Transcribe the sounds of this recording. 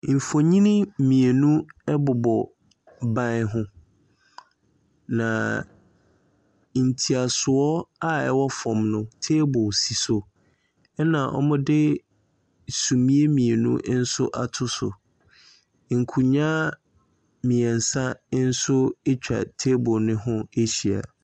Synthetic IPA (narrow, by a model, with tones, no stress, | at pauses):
m̩˨fo˨ɲĩ˦nĩ˦mĩ˨e˨nũ˦ɛ˦bʊ˨bɔ˨ | bã˦nɦʊ̃˦ | nã̰˨ | n̩˨tʰi˨a˨sʊ˨ɔ˦a˦ɛ̰˦wɔ˦fɔ̃˨mnʊ̃˦tʰeː˦bʊ˨si˨so˨ | ɛ˦nã˨ʔɔ̰˦mʊ̃˦dɪ˦ | sũ˨mĩ˦e˦mĩ˨e˨nṵ̃˦ʔn̩˦sʊ˦ʔa˨tʰʊ˦sʊ̰˨ | ŋ̩˨kʰu˨ɲã˦ | mĩ˨ɛ̃˨n̩˨sa˦n̩˦sʊ˦e˦t͡ɕᶣa̰˨tʰe˦bʊ˨nɪ̃˦ɦʊ̃˦e˦ɕi˨a̰˨